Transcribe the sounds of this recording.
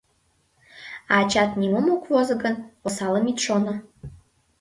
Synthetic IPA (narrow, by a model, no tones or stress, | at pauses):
ɑɑt͡ɕɑt̪nimomokvozəɣənosɑləmit̪ʃono